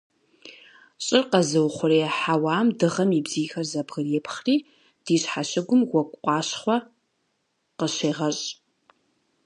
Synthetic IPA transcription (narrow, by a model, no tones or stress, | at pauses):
ɕʼɪrqɐzɨwχʷʊriɛħawaːmdɨʁɐmibziːxɐrzɐbʁɨrɛpʰχriː | d̥iːɕħaɕɪɡʷʊmɡʷɔkʷʼqʷɑːɕχʷɔ | qəɕeːʁɐɕʼ